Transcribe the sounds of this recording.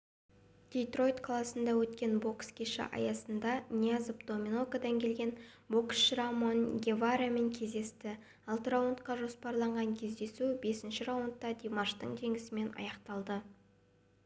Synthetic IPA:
d̪̥ʲejt̪ro̞jt̪kʰlˠɑsənd̪ɑwɵt̪kʲe̞nbo̞kskʲʰeʃɪ̰ʔɑ̰jɑsənd̪ɑnʲiazpd̪o̞mʲinokad̪ɑŋkʲʰe̞lɡʲe̞n | bo̞ksʃɾamonɡʲevaɾame̞ŋkʲʰe̞zd̪e̞st̪ɪ | ɑlˠt̪əɾawʊnt̪qɑʒo̞spɑɾlˠɑɴʁɑŋkʲʰe̞zd̪e̞sube̞sɪnʃɪɾawunt̪ːɑd̪ʲimaʃt̪əɴt̪ʰe̞ŋʲɪsɪme̞nɑ̰jɑqt̪ɑlˠd̪ə

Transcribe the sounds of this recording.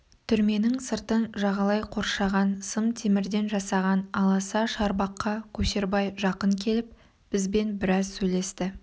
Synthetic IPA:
t̪ʰʏɾme̞nɪŋsəɾt̪ənʒɑʁɑlˠɑjqʰo̞ɾʃɑʁɑnsəmt̪ʰemɪɾd̪e̞nʒɑsɑʁɑnɑlˠɑsɑʃɑɾbɑqːɑkʲʰɵʃe̞ɾbɑjʒɑqəŋkʲʰe̞lɪp̚ | b̥ɪzbe̞nbɪɾɑzsɵjle̞st̪ɪ

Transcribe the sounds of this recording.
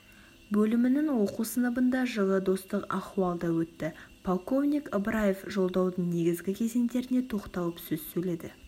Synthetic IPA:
bɵlɪmɪnɪŋwo̞qusənəbənd̪ɑʒəlˠəd̪o̞st̪əqɑ̰χuɑlˠd̪ɑwɵt̪ːɪpʰolˠko̞vnʲikəbɾajefʒo̞lˠd̪ɑwd̪əɴne̞ɡʲɪzɡʲɪkʲʰe̞ze̞nd̪e̞ɾɪne̞t̪ʰo̞qt̪ɑlˠəpsɵz̥sɵjle̞d̪ɪ

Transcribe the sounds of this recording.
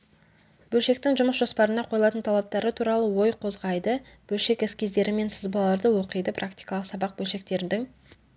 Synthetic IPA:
bɵlʃe̞k̚t̪ɪŋʒʊməsʒ̥o̞spɑɾənɑqʰo̞jlˠɑt̪ənt̪ʰɑlˠɑp̚t̪ɑɾət̪ʰuɾɑlˠəwo̞jqʰo̞zʁɑjd̪əb̥ɵlʃe̞kɪskʲezd̪e̞ɾɪme̞nsɪzbɑlˠɑɾd̪əwo̞qəjd̪əpʰrʔakt̪ijkɑlˠəqsɑbɑq̚bɵlʃe̞k̚t̪e̞ɾɪnd̪ɪŋ

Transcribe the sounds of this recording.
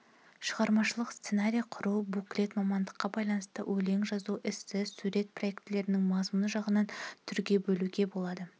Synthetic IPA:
ʃəʁɑɾmɑʃəlˠəqst̪se̞naɾʲijɑqʰʊɾubuklʲe̞t̪mɑmɑnd̪əqːɑbɑjlˠɑnəst̪ə̰wʔɵle̞ŋʒɑzuʔɪsːɪzsuɾe̞t̪̚pʰro̞je̞kt̪ɪle̞ɾɪnɪŋmɑzmunəʒɑʁənɑnt̪ʰʏɾɡʲe̞bɵluɡʲe̞bo̞lˠɑd̪ə

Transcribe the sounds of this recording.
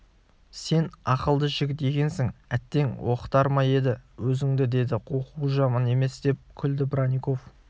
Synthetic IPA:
se̞nɑqəlˠd̪əʒɪɡʲɪt̪d̪e̞ɡʲe̞nsɪŋæt̪ːe̞ŋwo̞qə̥t̪ɑɾmɑje̞d̪ɪwɵzɪŋd̪ɪd̪e̞d̪ɪqʰoquʒɑmɑne̞me̞sd̪e̞p̚kʲʰʏld̪ɪbɾanʲiko̞f

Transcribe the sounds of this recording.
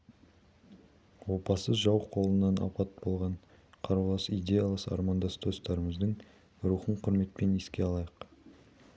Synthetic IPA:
wo̞pɑsəzʒɑwqʰo̞lˠənːɑnʔɑ̰pɑt̪̚bo̞lˠʁɑɴ | qʰɑɾulˠɑsijd̪ʲe̞jɑlˠɑsɑ̰ɾmɑnd̪ɑst̪ʰost̪ɑɾəməzd̪əɴ | ɾuχəɴqʰʊɾme̞t̪̚pe̞ne̞skʲe̞ɑlˠɑjəq

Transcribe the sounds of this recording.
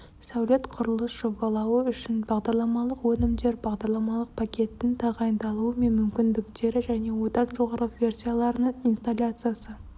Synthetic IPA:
sæwlʲe̞t̪qʰʊɾəlˠəsʒ̥oɡɑlˠɑwəʏʃɪnbɑʁd̪ɑɾlˠɑmɑlˠəqwɵnɪmd̪e̞ɾbɑʁd̪ɑɾlˠɑmɑlˠəq̚pʰakʲe̞t̪ːɪnt̪ʰɑʁɑjənd̪ɑlˠuəme̞nmʏmkʲɪnd̪ɪkt̪e̞ɾɪʒæne̞wo̞d̪ɑnʒo̞ʁɑɾəvʲe̞rsʲijalˠɑɾənəɴijnst̪alʲat̪sɨjasə

